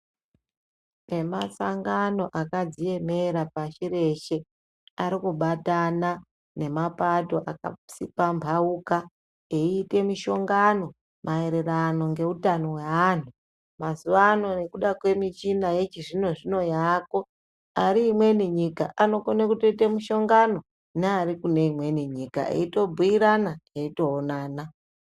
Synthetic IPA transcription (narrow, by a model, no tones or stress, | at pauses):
ne̞masaŋɡano̞ʔakad͡zije̞me̞ɾapaʃiɾe̞ʃe̞ | aɾikuɓatana | ne̞mapato̞ʔaka̰sipambʱauka | eiːte̞miʃo̞ŋɡano̞ | mʔae̞ɾe̞ɾano̞ŋɡe̞utano̞wean̤u | mazuʋaːno̞ne̞kuɗakwe̞mit͡ʃinajet͡ʃiʐino̞ʐino̞jaːko̞ | aɾiːmwe̞niɲikaʔano̞konekutoite̞miʃo̞ŋɡano̞ | neaɾikune̞imwe̞niɲika̰ḛito̞bʱuiɾanaeito̞ːnaːna